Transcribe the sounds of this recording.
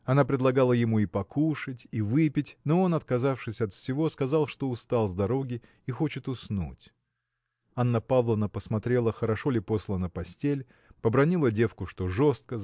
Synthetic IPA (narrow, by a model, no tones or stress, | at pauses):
ɐnapɾʲɪd̪lˠɐɡalˠəjɪmuipɐkʰuʂɨtʲivɨpʲɪtʲno̞o̞nɐt̪kɐzafʂɨsʲɐt̪fsʲɪvo̞skɐzɑlˠʂt̪o̞ʊst̪alˠzd̪ɐɾo̞ɡʲɪ | ixo̞t͡ɕɪt̪ʊsnṵtʲ | anːəpavlˠənəpəsmɐt̪ɾʲe̞lˠəxəɾɐʂo̞lʲɪpo̞slˠənəpɐsʲtʲelʲ | pəbɾɐnʲilˠədʲe̞fkʊʂt̪o̞ʐo̞st̪̚kə